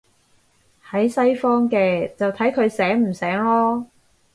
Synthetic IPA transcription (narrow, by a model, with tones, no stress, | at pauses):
hɐ˨˥jsɐ˥jfɔː˥ŋkɛː˧t͡sɐ˨wt̪ʰɐ˨˥jkʰɵ˨˧ɥsɛː˨˥ŋm̩˨˩sɛː˨˥ŋlɔː˥